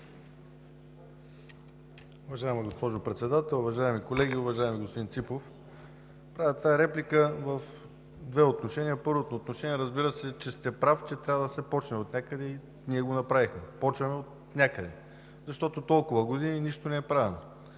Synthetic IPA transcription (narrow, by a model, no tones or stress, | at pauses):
ʊvɐʒaɛmɐɡospɔʒopɾɛt̪sɛd̪at̪ɛlˠuvɐʒaɛmikolɛɡʲiʊvɐʒaɛmiɡospod̪int̪sipof | pɾavɛt̪aɛɾɛplikəvəf | d̪vɛot̪noʃɛnʲiəpɤɾvot̪not̪noʃɛniɛɾəzbiɾəsɛt͡ʃɛst̪ɛpɾaft͡ʃɛt̪ɾʲavəd̪ɐsɛpɔt͡ʃnɛot̪nʲakəd̪ɛi | niɛɡonɐpɾavixmɛpɔt͡ʃvɐmɛot̪̚ | nʲakəd̪ɛ | zɐʃt̪ɔt̪ot̪ɔlˠkʊvəɡod̪ininiʃt̪onɛɛpɾavɛno